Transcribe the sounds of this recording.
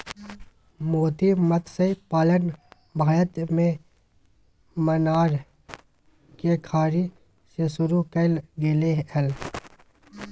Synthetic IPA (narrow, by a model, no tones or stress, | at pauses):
moːt̪imət̪ʰsepaːlən | bʱaːjət̪mẽ | mənaːɾ | kekʰaːɾi | sesʊɾukəlɡeːleəl